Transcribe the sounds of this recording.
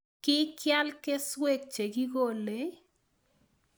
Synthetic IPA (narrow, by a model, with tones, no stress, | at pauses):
kɪ˦kja˦lke˦swe˦˨k̚t͡ʃe˨ki˦ɡo˦˨le˨˦